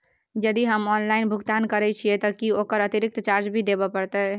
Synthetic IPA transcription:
d͡ʒəd̪iɦəmɔnlainbʱuɡt̪ankəɾɛt͡ʃʰiɛt̪əkiokəɾət̪iɾik̚t̪t͡ʃaɾt͡ʃbʱid̪ebɛpəɾt̪ɛ

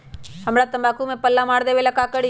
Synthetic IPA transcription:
ɦəmɽat̪əmbaːkumẽpəlːamaːɽd̪eːʋelakakəɽi

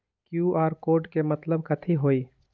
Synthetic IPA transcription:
kjuʔaːɾkoːɖkemət̪ləbkət̪ʰiɦoi

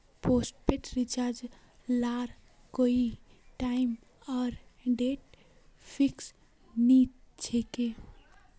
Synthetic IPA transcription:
posʈ̚peʈɾit͡ʃaɾd͡ʒ | laɾ | koi | ʈaim | ɔːɾɖeʈ̚ | pʰiks | ni | t͡ʃʰeke

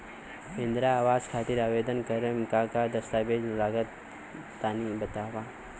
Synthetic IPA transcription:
pẽnd̪ɾaːʋaːzkʰaːt̪ɪɾaːʋeːd̪ənkɐɾəmkakad̪ɐst̪aːbeːd͡ʒlaːɡət̪ː | aːnibɐt̪aːwaː

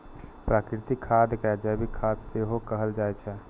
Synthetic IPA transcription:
pɾakɾɪt̪ikʰːad̪kɛd͡ʒabʱikʰad̪seɦokəɦəld͡ʒaːɛt͡ʃʰɛ

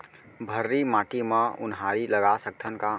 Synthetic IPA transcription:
bʱəɾːimaʈimẽʊ̰nɦaɾiləɡasək̚t̪ʰənka

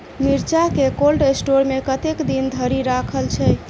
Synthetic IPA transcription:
miɾt͡ʃakekolɖesʈoɾmekət̪ekd̪ind̪ʱəɾiɾakʰəlt͡ʃʰɛ

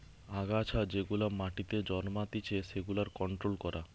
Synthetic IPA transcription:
aɡat͡ɕʰad͡ʑeɡulamaʈit̪ed͡ʑɔnmat̪it͡ɕʰeʃeɡulaɾkɔɳʈɾolkɔɾʔa

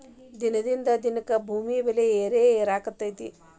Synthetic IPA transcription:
d̪inɐd̪ind̪ɐd̪inɐkɐbʱuːmijbeleeːɾeːeːɾaːkɐt̪ːɐjt̪i

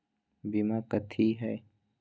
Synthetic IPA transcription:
bimakət̪ʰiɦɛː

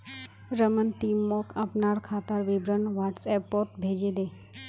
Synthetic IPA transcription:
ɾəmənʈ̪iːmːoːkəpnaːɽkʰaːt̪əɾʋɪbɾənʋaːʈsɛːpːoːt̪̚bʱeːd͡ʒed̪eː

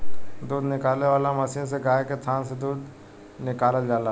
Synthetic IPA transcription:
d̪uːd̪nɪkaːlneʋaːlamɐsijõsekaːekest̪ʰaːnsed̪uːd̪ | nɪkaːləld͡ʒaːla

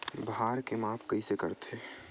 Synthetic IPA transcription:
bɦaːɾkemaːpʰkɐisekə̰ɾt̪ʰe

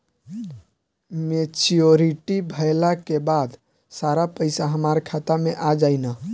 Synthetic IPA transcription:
met͡ʃioɾiʈibʱəelakebad̪ | saɾapəɪsaɦəmaɾkʰat̪ameʔad͡ʒaɪna

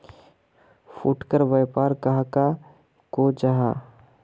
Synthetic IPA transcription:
fʊʈkəɾʋɐjpaːɾkaɦaka | koːd͡ʒaɦaː

